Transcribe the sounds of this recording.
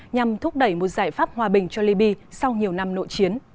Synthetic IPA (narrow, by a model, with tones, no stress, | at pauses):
ɲa˨˩mt̪ʰʊ˦˥k͡p̚ɗə˧˩jmo˨˩t̚zaː˧˩jfaː˦˥p̚hwaː˨˩ɓï˨˩ŋ̟t͡ɕɔ˧li˧ɓi˧sa˧wɲi˨˩əwna˧mno̰˧˨jt͡ɕi˨˦ən